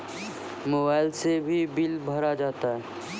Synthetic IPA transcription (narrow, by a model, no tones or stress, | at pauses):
moːbaːɪlsebʱibɪlbʱɐɾad͡ʒaːt̪aɦɛː